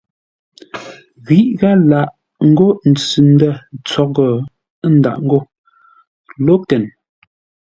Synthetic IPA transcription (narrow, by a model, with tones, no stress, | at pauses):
ɣi˨˦ʔɣa˦la˨ʔ | ŋ̩˦ɡo˦n̩˨t͡sʉ˨n˦də˦˨t͡sɔ˨˦ɣɔ˨˦ | n̩˨da̰˨ʔŋ̩˦ɡo˦˨ | lo˦tɛ˨n